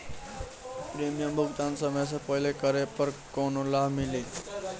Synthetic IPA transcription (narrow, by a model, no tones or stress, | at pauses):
pɾimijəmbʱukt̪ansʌmʌjs̬ʌpʌɦilekʌɾepʌɾkonolabʱmili